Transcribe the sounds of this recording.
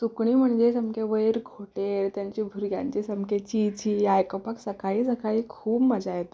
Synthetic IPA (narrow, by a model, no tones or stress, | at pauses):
sukɳiːm̤əɳd͡zesəmkeʋəjɾɡʰʱoʈeɾt̪jaɲt͡ɕiːbʱuɾɡjã̰ɲt͡ɕisəmket͡ɕit͡ɕiːajkəpəksəkaɭiːsəkaɭiːkʰuːbməd͡zajet̪o